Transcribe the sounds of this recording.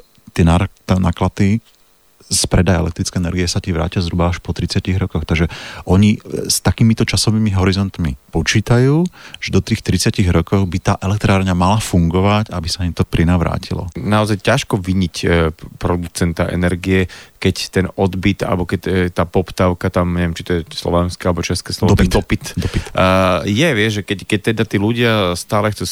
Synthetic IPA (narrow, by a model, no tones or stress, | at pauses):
t̪ɪɛnaɾt̪anaːklat̪i | spɾɛd̪ajɛ̰lɛkt̪ɾit͡skɛjɛnɛɾɡiɛsaciʋɾa̰ːcɪazɦɾubaːʃpɔt̪ɾit͡sɪaciɣɾɔkɔxt̪aɡʒɛʔɔɲist̪akiːmit̪ɔt͡ʃasɔʋiːmiɦɔɾizɔnt̪mipɔt͡ʃiːt̪ajuːʒ̥ɛd̪ɔt̪iːxt̪ɾit͡sɪaciɣɾɔkɔɣbit̪aːʔɛlɛk̚t̪ɾaːɾɲamalafuŋɡɔʋacabisaɲit̪ɔpɾinaʋɾa̰ːcʰilɔ̰naɔzajcaʃkɔʋiɲicpɾɔd̪ut͡sɛnt̪aʔɛ̰nɛɾɡiɛkɛct̪ɛnɔd̪bit̪a̰lɛbɔkɛct̪aːpɔpt̪aʊkat̪amɲɛʋjɛmt͡ʃi̥t̪ɔjɛslɔ̰ʋɛnskɛalɛbɔt͡ʃɛskɛːslɔɔpid̪d̪ɔpit̪d̪ɔpi | jɛʋɪɛʒʒɛkɛckɛc̚t̪ɛd̪at̪iːluɟɪast̪aːlɛxt͡su